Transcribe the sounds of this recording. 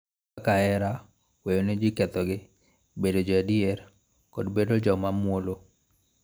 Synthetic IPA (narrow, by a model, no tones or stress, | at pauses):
kaɛɾa | wejonɪd͡ʒɪkɛt̪ɔɡɪ | bedod͡ʒadier | kɔdbedod͡ʒɔmamwolo